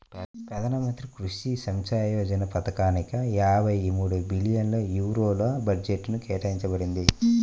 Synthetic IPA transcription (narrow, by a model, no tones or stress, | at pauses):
pɾɐd̪ɐnɐmɐnt̪ɾikɾuʂisɐmt͡ʃaːjɐɐd͡ʒɐnɐpɐt̪ɐkaːnikɐjaːbʱɐjmuːɽubilijɐnloːjuːɾoːlobɐd͡ʒeʈːnukɛːʈɐjiɲt͡ʃɐbɐɽind̪i